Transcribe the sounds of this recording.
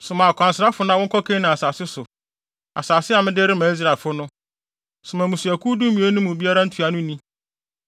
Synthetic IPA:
sʊ˨mã˨kʷʰã˨n˨sɪ˨a˦fʊ˦nã˦wɔ̃˦kʰɔ˦kʰẽ˦nã˨a˨saː˨sɪ˦sʊ˨ | a̰˨saː˨sɪ˦a˨mɪ̃˦dɪ˦ɾɪ˦mã˨i˦s̬ɾa˨fʊ˦nʊ̃˦ | sʊ˨mã˨mũ˨si˨æ˨kʰu˦du˦mĩ˨˦e˦nũ˦mʊ̃˨bi˦a˦ɾa˦n̩˦tʰɥa˨nʊ̃˦nĩ˦

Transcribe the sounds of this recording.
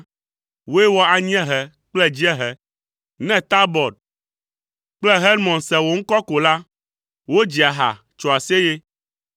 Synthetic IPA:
wo˦ɛ˦wɔ˦a˨ɲĩ˦ɛ̃˦ɦɛ˨ | k͡plɛ˦d͡ʑi˦ɛ˦ɦɛ˨ | nɛ̃˦t̪a˦bɔ˨d̚ | k͡plɛ˦ɦe˦lmɔ̃˨nsɛ˨wo˨ŋ̩˦kɔ˦ko˨la˦ | wo˦d͡ʑi˨a˨ɦa̰˨ | t͡ʃɔ˨a˨se˦je˦

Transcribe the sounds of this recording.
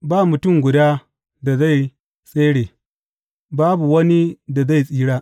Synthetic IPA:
baː˦˨mʊ˨tʊ˦˨mɡʷʊ˨daː˦ | da˨za˦˨j | sʼeː˦ɽeː˨ | baː˦bu˨wɐ˦ni˦da˨za˦˨jsʼiː˦ɽaː˦

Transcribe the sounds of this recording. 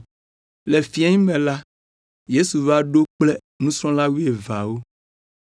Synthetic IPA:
le˨fi˨a˦ɲĩ˦mɛ̃˨la˦ | je˦su˨va˦ɖo˦k͡plɛ˦ | nũ˦sɾɔ̃˦la˦wu˦e˨va˨wo˦

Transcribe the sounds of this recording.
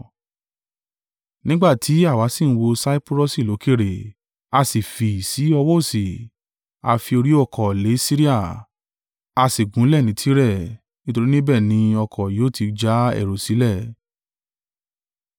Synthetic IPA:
nĩ˦ɡ͡ba˦˨tʰi˨˦a˦˨wa˨˧˦sĩ˦˨ñ̩˨˧wo˧sa˦i˦pɾo˦˨si˦˨lo˨˦ke˦˨ɾe˨ | a˧si˨fi˨si˨˦ɔ˧wɔ˦˨si˨ | a˧fi˧o˧ɾi˦ɔ˦˨kʰɔ˨le˨˦si˦ɾi˦a˦˨ | a˧si˨ɡũ˨˦lɛ˦˨nĩ˨˦tʰi˦ɾɛ˦˨ | nĩ˦to˧ɾi˦nĩ˦bɛ˦˨nĩ˨˧˦ɔ˧kʰɔ˨joː˨˦tʰi˧d͡ʒa˦ɛ̰˨ɾo˨si˨˦lɛ˦˨

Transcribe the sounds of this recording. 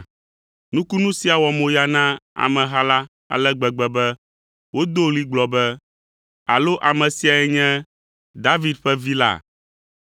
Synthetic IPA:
nũ˦ku˦nũ˦si˦a˨wɔ˨mõ˨ja˨nã˦a̰˨mɛ̃˨ɦa˦la˦ | a̰˨lɛ˦ɡ͡bɛ˨ɡ͡bɛ˨bɛ˦ | wo˦d̪o˦li˦ɡ͡blɔ˨bɛ˦ | a̰˨lo˦ʔa˨mɛ̃˨si˨˦a˨ɛ˨ɲɛ̃˦ | d̪a˦vi˦d̪ɸɛ˦vi˦la̰˦˨

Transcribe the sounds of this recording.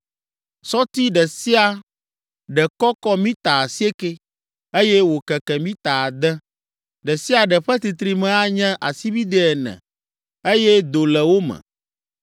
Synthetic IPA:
sɔ˦t̪i˦ɖɛ˨si˦a˨ | ɖɛ˨kɔ˦kɔ˦mĩ˦t̪a˨si˦e˦ke˦ | e˦jɛ˦wo˨kɛ˨kɛ˨mĩ˦t̪a˨a˨d̪ɛ˦ | ɖɛ˨si˦a˨ɖɛ˨ɸɛ˦t̪i˨t̪ɾi˨mɛ̃˦a˦ɲɛ̃˦ʔa˨si˦bi˦d̪ɛ˦ɛ˨nɛ̰̃˨ | e˦jɛ˦d̪o˨lɛ˨wo˦mɛ̰̃˨

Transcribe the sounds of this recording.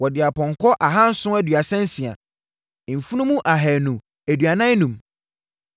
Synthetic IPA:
wɔ˨dɪ˨a˨pʰɔ̃˨ŋkʰɔ˦ʔa˨ɦã˦n̩˦sʊ̃˦æ˦dɥa˨sɛ̃˦n̩˦sĩ˨a̰˨ | fu˦nũ˦mũ˦ʔa˨ɦɛ˨nũ˨ | æ˨dɥa˨nã˦nũ˨m

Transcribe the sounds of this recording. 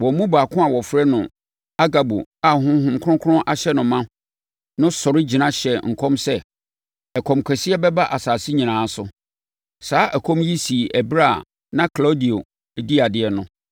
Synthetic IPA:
wɔ˨˦mũ˦baː˨kʰʊ̃˦a˨wɔ˨fɾɛ˦nʊ̰̃˨ | a˦ɡa˨bo̰˨a˦˨hʊ̃˦ɦʊ̃˦mkʰʊ̃˦kʰʊ˦ɾʊ̃˦ʔa˨ɕɛ˦nʊ̃˨mã˦ | nʊ̃˦sɔ˨ɾɪ˦d͡ʑi˨nã˦ɕɛ˨ŋ̩˨kʰɔ̃˦msɛ˦ | ɛ˨kʰɔ̃˨mkʰɛ˨si˦ɛ˦bɛ˦ba˦ʔa˨saː˨si˦ɲĩ˨nãː˨˦sʊ̰˦ | saː˦ʔæ˨kʰɔ̃˦mji˦si˨ʔæ˨bɾa̰˦˨ | nã˦kʰla˦di˨o˨ | di˦a˨dɪ˨ɛ˨nʊ̃˦

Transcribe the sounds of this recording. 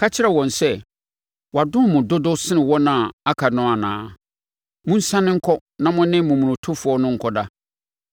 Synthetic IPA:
kʰa˦t͡ɕʰɪ˦ɾɛ˨wɔ̃˨n˨sɛ˦ | wɔ˨a˨dʊ̃˦mʊ̃˨dʊ˦dʊ˦sɪ˦nɪ̃˨wɔ˦nã˨a˦kʰa˨nʊ̃˦a˨nã̰ː˨˦ | mʊ̃˦n̩˦sã˦nɪ̃˦ŋ̩˦kʰɔ˦ | nã˦mʊ̃˦nɪ̃˦mũ˨mũ˨ʊ̃˨tʰʊ˦fʊ˨˦ɔ˦nʊ̃˦ŋ̩˨kʰɔ˦da˦

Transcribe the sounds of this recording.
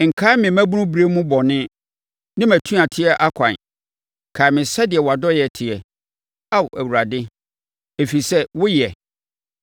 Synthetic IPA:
ŋ̩˨kʰaː˦mɪ̃˨mæ̃˦bu˦nʊ̃˦bɾe˦mũ˦bɔ˨nɪ̃˦ | nɪ̃˦mæ̃˨tʰũ˦a˨tʰɪ˦ɛ˦ʔa˦kʰã̰˨n | kʰa˨mɪ̃˨sa˦dɪ˨ɛ˨wa˨dɔ˦jɛ˨tʰɪ˨ɛ˨ | a˦wæ˨wu˨ɾa˨dɪ˦ | e˨fi˨sɛ˦wʊ˦ji˨ɛ˨

